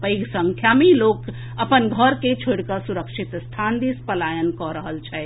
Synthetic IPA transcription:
pəiɡsə̃ŋkʰjamiloːk | əpənɡʱəɾket͡ʃʰoɽkəsuɾəkʃit̪st̪ʰand̪ispəlaːjənkɔɾəɦəlt͡ʃae

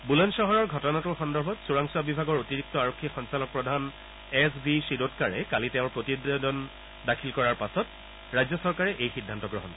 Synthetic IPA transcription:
bulɔnʃɔɦɔɹɔɹɡʱɔtɔnatʊɹxɔndɔɹbʱɔtsuɹaŋsuabibʱaɡɔɹotiɹik̚tɔaɹokʰːixɔnsalɔk̚pɹɔdʱan | ɛs̬bisidotkaɹɛ̰kaliteʊ̃ɹpɹotiddɔn | dakʰilkɔɹaɹpasɔt | ɹajzɔsɔɹkaɹɛʔejxidʱːantɔɡɹɔɦɔn

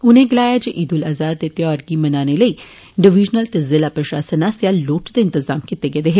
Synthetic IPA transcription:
ʊnẽːɡɪlaːjaːd͡ʒeʔɪd̪ʊlaːzaːd̪̚t̪et̪jɔːɾɡimənaːneləiː | ɖɪʋɪːd͡ʒnəlt̪ezɪlaːpɾəʃaːsənaːsjaːloːʈd̪eɪnt̪ɪzaːmkɪt̪eːɡed̪eːɦeː

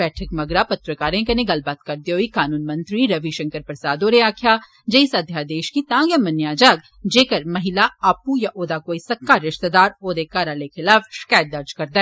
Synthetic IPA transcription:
bɛːʈʰəkmɐɡɾapɐt̪ɾəkaːɾẽkɐneɡɐlbaːt̪kɐɾd̪eoːikaːnuːnmɐ̃nt̪ɾiɾɐʋiʃɐ̃ŋkəɾpɾɐsaːd̪oːɾeaːkʰja | d͡ʒɛisɐd̪ʱjad̪eːʃkit̪ãːɡjamɐnjaːd͡ʒaːɡ̚ | d͡ʒeːkəɾmɐɦɪlaaːpujaʔoːd̪akoːisɐkːaɾɪʃt̪əd̪aːɾoːd̪ekaːɾaːlexʰɪlaːfʃkaːt̪̚d̪ɐɾd͡ʒkɐɾd̪aɛː

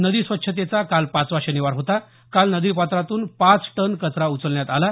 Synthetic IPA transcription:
nəd̪iːsʋətːɕʰət̪̬et͡sakalpãt͡sʋaɕəniʋaɾɦot̪a | kalnəd̪iːɾpat̪ɾat̪uːnpãt͡sʈənkət͡sɾaut͡səlɳjat̪ala

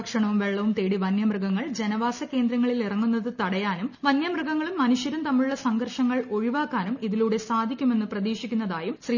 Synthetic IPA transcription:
kʂɐɳɐʋumʋe̞ɭːɐʋumt̪e̞ːɽiʋɐnjɐmrɨɡɐŋːɐɭd͡ʑe̞nɐʋaːsɐke̞ːnd̪ɾɐŋːɐɭilirɐŋːunːɐðɨt̪ɐɽɐjaːnumʋɐnjɐmrɨɡɐŋːɐɭumːɐnuʂjɐɾumt̪ɐmːiɭuɭːɐsɐŋɡɐrʂɐŋːɐɭo̞ɻiʋaːkːaːnumiðiluːɽe̞saːd̪ʱikʲːume̞nːɨprɐðiːʂikʲːunːɐðaːjumɕriː

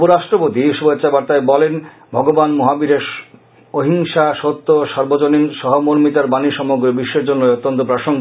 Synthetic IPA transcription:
poɾaʃʈɾopot̪iʃubetːt͡ɕːabaɾt̪aebɔlen | bʱɔɡobanmoɦabiɾeʃ | oɦiŋʃaʃot̪ːoʃɔɾbod͡ʑoninʃɔɦomoɾmit̪aɾbaniʃɔmoɡɾebiʃːeɾd͡ʑonːoot̪ːont̪opɾaʃoŋ

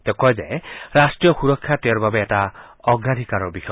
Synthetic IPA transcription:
t̪ekɔjzeɾasʈɾijɔxuɾɔkʰːjat̪eɔɾbabeːʈaɔɡɾad̪ʱikaɾɔbixɔ

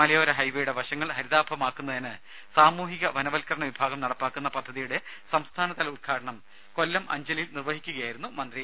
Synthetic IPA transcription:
mɐlɐjoːɾɐɦɐjʋejuɽeʋɐɕɐŋːɐɭhɐɾiðaːbʱɐmaːkːunːɐðɐnɨ | saːmuːɦiɣɐʋɐnɐʋɐlkɐɾɐɳɐʋibʱaːɡɐmnɐɽɐpːaːkːunːɐpɐd̪ʱːɐðijuɽe̞ | sɐmst̪ʰaːnɐt̪ɐlɐulkʰaːɽɐɳɐm | ko̞lːɐmʔɐ̰ɲd͡ʑɐlilnirʋɐɦikʲːuɣɐjaːjiɾunːumɐnd̪ri

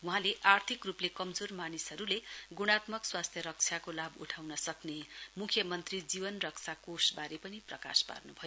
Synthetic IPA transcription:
wuɦãleʔart̪ʰikruplekʌmd͡zormanisɦʌɾuleɡuɽ̃at̪mʌkswast̪ʰjʌɾʌk̚t͡sʰjakolabṵʈʰawnʌsʌknemukʰjʌmʌnt̪rid͡zibʌnrʌk̚t͡sʰakosbaɾepʌniprʌka̰spa̰rnubʱʌjo

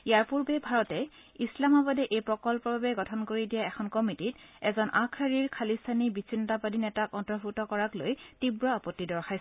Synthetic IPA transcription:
ijaɹpuɹbɛbʱaɹɔtɛ | islamabɔdɛʔejpɹɔkɔlpɔbʱabɛɡɔtʰɔnkoɹidijaɛxʰɔnkɔmititɛ̰zɔnʔakʰaɹiɹkʰalistʰanibisʰinɔtapadinɛtakɔntɔɹbʱutɔkɔɹaklojtibɹɔapɔtːidɔɹxaj

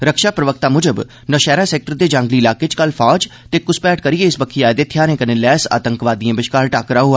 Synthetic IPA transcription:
ɾəkʃaːpɾəʋək̚t̪aːmʊd͡ʒəb | nəʃɛːɾãːsɛːk̚ʈəɾd̪eːd͡ʒãːŋɡliːɪlaːket͡ʃkəlpʰaːd͡ʒt̪eːkʊspɛːʈ̚kəɾieːɪsbəkʰːiːaːed̪eːt̪ʰjaːnẽːkənẽːlɛːsa̰ːt̪ə̃ŋkʋaːd̪iãːbɪʃkaːɾʈaːkɾaːɦʊaː

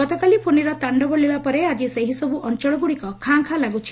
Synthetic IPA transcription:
ɔt̪ɔkalipʰoniɾɔt̪aɳɖɔbɔɭiɭapɔɾead͡ʒiseɦisɔbuʔɔnt͡ʃɔɭɔɡuɽikɔkʰaŋkʰalaɡut͡ʃʰi̥

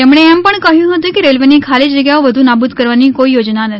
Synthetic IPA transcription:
t̪ɛmɽ̃eɛmpəɳkəɦjũɦət̪ũkeɾelʋenikʰalid͡ʒəɡjaoʋəd̪ʱunabud̪kəɾʋanikoijod͡ʒnanət̪ʰ

